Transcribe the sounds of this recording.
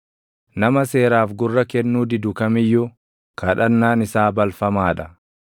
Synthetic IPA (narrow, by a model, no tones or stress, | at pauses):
nɐmɐse̞ːɾaːfɡʊrːɐkɛnːuːd̪ɪd̪ʊkɐmɪjːʊ | kʰɐᶑɐnːaːnɪsaːbɐlfɐmaːᶑɐ̥